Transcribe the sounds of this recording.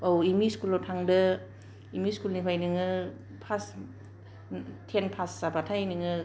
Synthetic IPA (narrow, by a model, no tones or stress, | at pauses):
owimiskulowtʰaŋdɯ | imiskulnipʰajnɯŋɯ | pʰas | tʰenpʰasːabatʰajnɯŋɯ